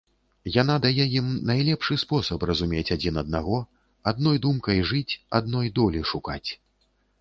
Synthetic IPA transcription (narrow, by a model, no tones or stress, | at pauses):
jan̪ad̪ajɛjimnajlʲɛpʂɨspɔsɐprɐzumʲet͡sʲad͡zʲinɐd̪̚naɣɔ | ad̪nɔjd̪umkɐjʐɨt͡sʲa̰d̪̚nɔjd̪ɔlʲiʂukat͡sʲ